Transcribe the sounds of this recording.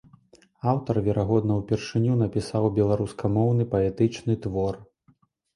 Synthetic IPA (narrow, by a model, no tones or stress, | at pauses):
awt̪ɐrvʲɛɾʔaɣɔd̪nɐwpʲɛrʂɨnʲunɐpʲisawbʲɛlˠaɾuskʰɐmɔwn̪ɨpɐɛt̪ɨt͡ʂnɨt̪vɔr